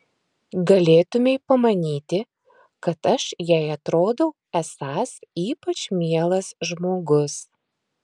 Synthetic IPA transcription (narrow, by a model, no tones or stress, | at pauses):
ɡɐlʲeːt̪ʊmʲeɪpɐmɐnʲiːt̪ʲɪ | kɐt̪ɐʃjɛɪɐt̪ɾoːd̪ɐʊ | ɛsɑːsiːpɐt͡ʃmʲiɛlˠɐsʒmoːɡʊs